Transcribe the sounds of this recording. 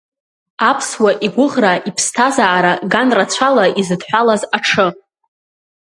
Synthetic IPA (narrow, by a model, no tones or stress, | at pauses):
apʰswaʔiɡʷʊʁraipʰstʰazaːɾaɡanrat͡ɕʷʰalaizɨdħʷᶣalazaʈ͡ʂʰɨ